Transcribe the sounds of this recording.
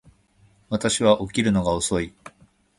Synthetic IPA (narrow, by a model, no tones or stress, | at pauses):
βat̪aɕiβaʔo̞kʲiɾɯ̟no̞ɡaoso̞i